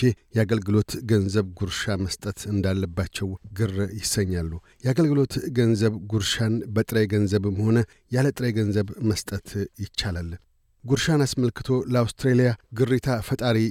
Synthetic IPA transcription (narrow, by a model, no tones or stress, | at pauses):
ejɛaɡəlɡɨlo̞t̪ɡənzəβɡuɾʃaməst̪ʼət̪ɨnd̪alːəbːat͡ʃːɛwɡɨrjɪsːəɲːalːu | jɛaɡəlɡɨlo̞t̪ɡənzəβɡuɾʃanbət̪ʼɾəjɡənzəβɨmho̞nə | jalət̪ʼɾəɡənzəβməst̪ʼət̪ʰjɪt͡ʃːalal | ɡuɾʃanasməlkɨ̥t̪ʰo̞ləawst̪ʰɾelijaɡɨrːit̪ʰafət̪ʼaɾi